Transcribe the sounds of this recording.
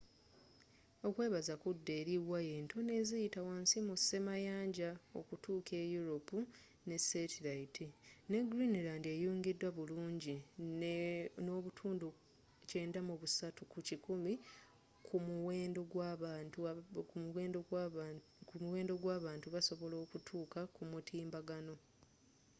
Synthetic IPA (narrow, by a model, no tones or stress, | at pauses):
o̞kwe̞ːβazakudːe̞ːɾiwajeːntʰo̞ne̞ːzijitawaːnsimuse̞majaːɲɟao̞̰kutʰuːkʰe̞juɾo̞pu | ne̞setilaitʰine̞ɡɾinilaːndiejoːŋɡedːwaβuluːɲɟi | no̞ːβutʰuːndu | ce̞ːndamuβusatukucikumi | kʰumuweːndoɡwaβ | umuwe̞ːndo | umuwe̞ːndo̞ɡwaːβaːntuβaso̞βo̞lo̞ːkutʰuːkakumutʰiːmbaɡano̞